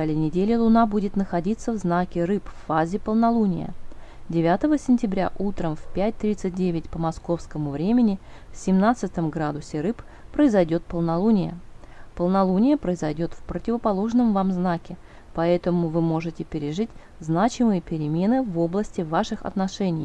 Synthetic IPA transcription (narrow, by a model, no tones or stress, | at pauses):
alʲɪjnʲɪdʲelʲɪlˠʊnabudʲɪt̪nəxɐdʲit̪səvznakʲɪɾɨpfːazʲɪpəlˠnɐlˠunʲɪ̰jə̰dʲɪvʲat̪əvəsʲɪnʲtʲɪbɾʲa̰ʔut̪ɾəmfpʲæt̚ʲt̪ɾʲit̪sɨt̚ʲdʲevʲɪtʲpəmɐsko̞fskəmʊvɾʲemʲɪnʲɪfsʲɪmnat̪sɨt̪əmɡɾad̪ʊsʲɪɾɨp | pːɾəɪzɐjdʲo̞t̪̚pəlˠnɐlˠunʲɪjə̰pəlˠnɐlˠunʲɪjəpɾəɪzɐjdʲo̞t̪fpɾətʲɪvəpɐlˠo̞ʐnəmvamznakʲɪ | pɐɛt̪əmʊvɨmo̞ʐɨtʲɪpʲɪɾʲɪʐɨtʲ | znat͡ɕɪmɨjəpʲɪɾʲɪmʲe̞nɨvo̞blˠəsʲtʲɪvaʂɨxɐ̰t̪nɐʂɛnʲɪj